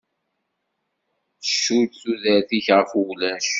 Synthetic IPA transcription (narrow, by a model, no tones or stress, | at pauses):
əʃːut͡sːuðəɾθiçʁəflæʃ